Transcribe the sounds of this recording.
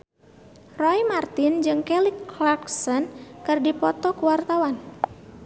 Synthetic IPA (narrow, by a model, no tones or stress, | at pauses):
rɔjmart̪ɪnd͡ʒɨŋkɛliklaksənkɨrdipɔt̪ɔkuwart̪awan